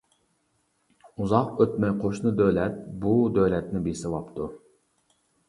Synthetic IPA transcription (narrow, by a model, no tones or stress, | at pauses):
uzɑqøt̪mɛjqʰoʃnɨd̪ølɛt̪̚bud̪øwlɛt̪nɪbesɪvɑpt̪ʰu